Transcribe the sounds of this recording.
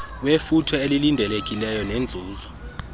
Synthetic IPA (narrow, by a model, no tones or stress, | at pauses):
wefutʰɔelilindʱɛlek̬ʼilɛjɔnend͡zʱuːzɔ